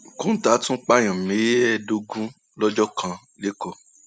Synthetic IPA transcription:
kũ˦ta˨˦tũ˦k͡pa˦j̃ɔ̃˨mĩ˨˦je˦ɛ˧˨do˧ɡũ˦ | lɔ˦d͡ʒɔ˦kʰã˧ | le˨˦kɔ˧

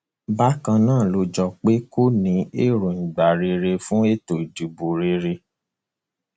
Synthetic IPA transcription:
ba˦kã˧nãː˦˨lo˧d͡ʒɔ˧k͡pe˦ko˦nĩ˨˧˦e˦ɾũ˨n̩˨ɡ͡ba˨ɾe˧˦ɾe˧fũ˦e˦to˨d͡ʒi˨bu˨ɾe˨˧ɾe˧

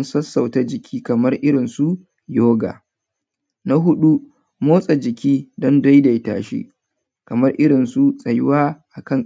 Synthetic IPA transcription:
nsɐ˦sːɐ˨wta˦d͡ʒɪ˨kʲʰiː˦kɐ˨mɐ˦rʔɪ˦ɽɪ˨nsu˦ʔ | joː˦ɡa̰ː˨ | na˦ɦʊ˦ɗu˦ | moː˦sʼa˨d͡ʒɪ˨kʲiː˦dɔ˦nda˦jda˨jta̰ː˨ʃḛː˦ | kɐ˨mɐ˦rʔɪ˦ɽɪ˨nsu˦sʼɐ˨jwaː˦ʔa˨kɐ˦ŋ

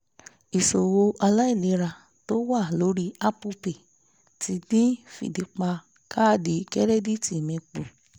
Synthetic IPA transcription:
i˨so˨wo˧ʔa˧la˦i˦˨lĩ˨˧˦ɾa˧˨ | to˦wa˦˨lo˨˦ɾi˦a˦pu˧pe˨ | ti˧nĩ˦fḭ˨di˧˦k͡pa˧ | ka˦˨di˨˦kɛ˦ɾɛ˦di˦ti˨mĩ˧k͡pu˨

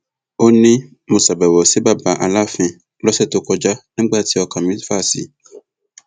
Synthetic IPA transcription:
o˦nĩ˦ | mõ˨sa˨bɛ˨wɔ˨se˨˦ba˦˨ba˨ʔa̰˨la˦fɛ̃˧ | lɔ˦sɛ˦˨to˧kɔ˧d͡ʒa˦nĩ˦ɡ͡ba˦˨ti˨˦ɔ˧ka˨mĩ˦fa˦˨sḭ˨˦

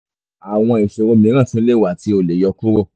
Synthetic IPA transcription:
a˨w̃ɔ̃˧i˨ʃo˧ɾo˧˦mĩ˨˦ɾ̃ã˦˨sũ˦le˦˨wa˨ti˧o˨le˨˦jɔ˧ku˦ɾo˦˨

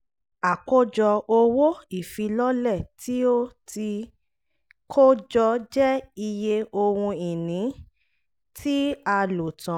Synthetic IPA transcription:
a˨ko˦d͡ʒɔ˧o˧wo˦i˦˨fi˨˧lɔ˦lɛ˦˨tʰi˦o˦ti˧ | kʰo˦d͡ʒɔ˧d͡ʒɛ˦i˧je˧o˧wũ˧i˨nĩ˨˦ | tʰi˦a˧lo˨tã˨

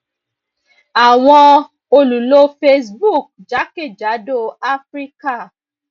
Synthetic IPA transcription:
a˨w̃ɔ̃˧ | o˧lu˨lo˦fe˧sbu˦˨k̚d͡ʒa˨˦ke˦˨d͡ʒa˨˦do˦˨a˦fɾi˦ka˦˨

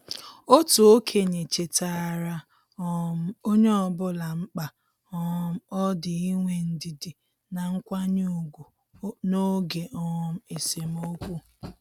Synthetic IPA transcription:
o˦tu˨o˦kʰe˨ɲe˨t͡ʃe˨ta˨ɾa˦ | m̩˦o˦ɲe˦ɔ˦bʊ˦la˨ŋ͡m̩˦k͡pa˨˦ | m̩˦ɔ˦dɪ˨i˦ŋʷe˨n̩˨dɪ˨dɪ˨ | na˨ŋ̩˦kʷa˦ɲu˦˨ɡʷu˨˦ | no˦ɡe˨ʔɔ˦m̩˦e˨se˨m̩˦o˦kʷu˦

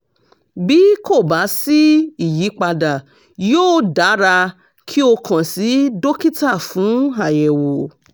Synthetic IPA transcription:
bi˨˦ko˦˨ba˨˦si˦i˦˨ji˨˦k͡pa˧da˨ | joː˦˨da˨˦ɾa˧ | kʰi˦o˧kʰã˨si˨˦do˦ki˦ta˦˨fũ˨˦a˨jɛ˨wo˨

